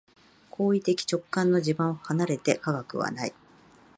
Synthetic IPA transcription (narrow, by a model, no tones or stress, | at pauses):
kʰo̞ːit̪e̞kʲi̥t͡ɕo̞kːãnːo̞d͡ʑibãɰohanaɾe̞t̪e̞kaɡakɯ̟̰βa̰nai